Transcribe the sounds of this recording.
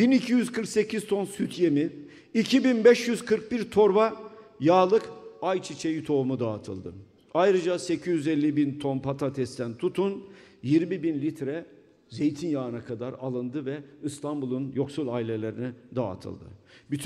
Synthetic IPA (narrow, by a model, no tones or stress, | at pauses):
binicʰijyzkʰɯɾkse̞cʰiz̥t̪ʰo̞nsyt̪ʰjemiː | cʰibinbɛʃjyzkʰɯɾk̚biɾt̪ʰo̞ɾbajaːlˠɯkajt͡ʃʰit͡ʃʰejit̪ʰo̞umud̪aːt̪ʰɯ̰lˠd̪ɯ | ajɾɯd͡ʒasecʰizjyzɛlʲːibint̪ʰonpʰat̪ʰat̪ʰɛst̪ʰænt̪ʰut̪ʰunjiɾmibinlʲit̪ɾɛ | ze̞jt̪ʰinjaɯnakʰad̪aɾalˠɯnd̪ɯvɛist̪ʰambulˠunjo̞ksulˠailʲe̞lʲe̞ɾinid̪a̰ːt̪ʰɯ̰lˠd̪ɯ̰byt̪ʰ